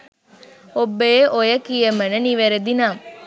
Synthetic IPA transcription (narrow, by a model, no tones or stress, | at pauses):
obːejeʔojəkijemənəniʋeɾed̪inaːm